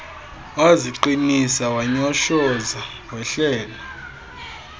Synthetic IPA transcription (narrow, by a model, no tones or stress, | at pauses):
waziǃinisawaɲɔʃɔza | wɛɬɛːlɔ